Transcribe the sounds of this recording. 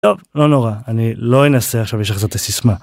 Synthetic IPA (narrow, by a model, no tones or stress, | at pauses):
tovlonoʁaaniloenaseaχʃavjɛʃaχzot̪esisma